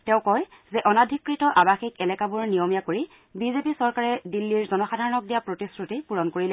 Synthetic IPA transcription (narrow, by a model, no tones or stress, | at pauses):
tɛ̃ʊ̃kɔj | zɛʔɔnadʱikɹitɔʔabaxikɛlɛkabuɹnijomijakoɹi | bizepisɔɹkaɹɛdilːiɹzɔnɔxadʱaɹɔnɔk̚dijapɹotisɹutipuɹɔnkoɹilɛ